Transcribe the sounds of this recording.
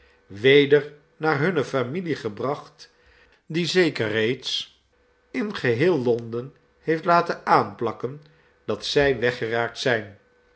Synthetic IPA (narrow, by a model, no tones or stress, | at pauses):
ʋejdəɹ | naːɹɦɵnəfamiliχəbrɑχt | dizejkərrejts | ɪnχəɦɪːlˠlɔndən | hejftlaːtəaːnplɑkən | d̥ɑtsɛjʋɛχəraːk̚tsɛjn